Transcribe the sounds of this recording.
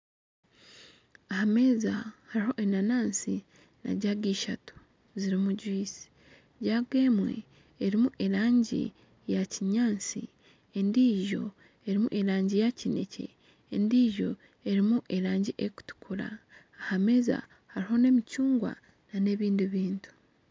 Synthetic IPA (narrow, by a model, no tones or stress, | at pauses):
ahame̞ːzahaɾiho̞ʔenanaːnsi | na̰ɟaɡiːʃatu̥ | ziɾimuɟwiːsi̥ | ɟaːɡe̞ːmwe̞̰ | eɾimuʔe̞ɾaːɲɟḭ | jaciɲaːnsḭ | endiːʒo̞ | e̞ɾimṵʔeɾaːɲɟijacine̞̰cʰe̞̰ː | ndiːʒo̞ | e̞ɾimuʔe̞ɾaːɲɟiʔeku̥tu̥kʰuɾa̰ː | hame̞ːza̰ | haɾiɦo̞ne̞micuːŋɡwa̰ | nane̞ːβiːndiβiːntu̥